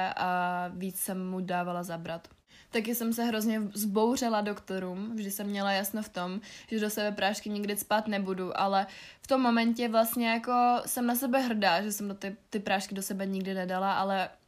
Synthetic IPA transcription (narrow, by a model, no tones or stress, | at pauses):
ʔaviːt͡ssɛmːudaːvalazabɾat̪ | t̪akɪsɛmsɛɦɾo̞zɲɛzbo̞wr̝ɛlado̞kt̪o̞ɾuːmvʒdɪsɛmːɲɛlajasnoft̪o̞mʒ̥ɛdo̞sɛbɛpɾaːʃkɪɲɪɡdɪspaːt̪nɛbuduʔa̰lɛ | ft̪o̞mːo̞mɛncɛvlast̪ɲɛjako̞sɛmnasɛbɛɦr̩daʒɛsɛmdot̪ɪt̪ɪpɾaːʃkɪdosɛbɛɲɪɡdɪnɛdalaʔalɛ